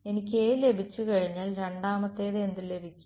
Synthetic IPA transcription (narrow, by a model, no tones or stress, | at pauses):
e̞nikʲːeːle̞bʱit͡ɕːukɐɻiɲːaːlɾe̞ɳɖaːmɐt̪ːe̞ːðeend̪ile̞bʱikʲːu̥m